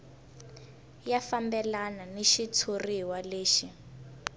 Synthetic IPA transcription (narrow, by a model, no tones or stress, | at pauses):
jafambɛlananeʃitʰoriwaleːʃi